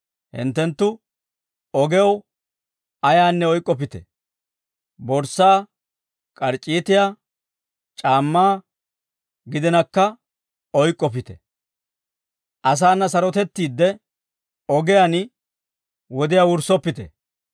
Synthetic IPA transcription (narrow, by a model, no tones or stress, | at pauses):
hɪ̰nt̪ːɛnt̪ːʊ | ɔɡɛw | ɐjaːnːɛɔjkʼːɔp̬ɪt̪ɛ̰ | bɔɾsaː | kʼɐɾt͡ʃʼːiːt̪ɪjaː | t͡ʃʼaːmːaː | ɡɪd̪ɛnɐkːɐ | ɔjkʼːɔp̬ɪt̪ɛ̥ | ʔɐs̬aːnːɐsɐɾɔt̪ɛt̪ːiːd̪ːɛ | ɔɡɛjan | wɔd̪ɪjawʊɾsɔpːɪt̪ɛ